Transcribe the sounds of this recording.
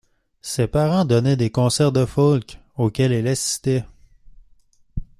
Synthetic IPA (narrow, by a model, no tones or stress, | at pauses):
sepaʁɑ̃d̪ɔnɛd̪ekɔ̃sɛʁd̪əfɔlk | okʲɛlɛlasi̥st̪ɛ